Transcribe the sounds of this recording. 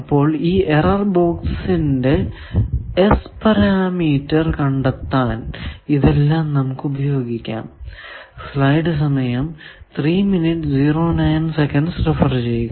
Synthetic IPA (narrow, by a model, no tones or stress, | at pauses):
ɐpːo̞ːɭiːʔerɐrboːkssinde̞ | espɐɾaːmiːtːɐrkɐɳɖɐt̪ːaːniðelːaːmnɐmukːubɐjo̞ːɡikʲːa̰ːm | slɐjɖɨs̬ɐmɐjɐmt̪riːminiʈːd͡ʑiːroːnɐjnsekɐnɖsrefɐrt͡ɕe̞jːukːɐ